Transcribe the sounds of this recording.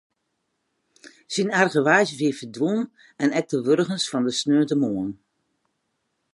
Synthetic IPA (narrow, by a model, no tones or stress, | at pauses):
sinɛrɣəʋaːzjəʋiəfərdʋun | ɛnɛk̚təʋørɣənsfɔndəsnøːtəmoən